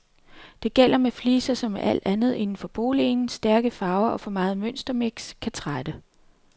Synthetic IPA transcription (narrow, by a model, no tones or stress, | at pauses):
d̥e̝ɡ̥el̰ɐmefliːsɐsɒ̽meʔæl̰d̥ænð̞̩ˠe̝nn̩fɒ̽b̥o̝̰ːlinsd̥æɐɡ̥əfɑ̈ʊɐʔɒ̽fɒ̽mɑ̈ːð̞̩ˠmøn̰sd̥ɐme̝ɡ̥skʰæt͡sʰʁad̥ə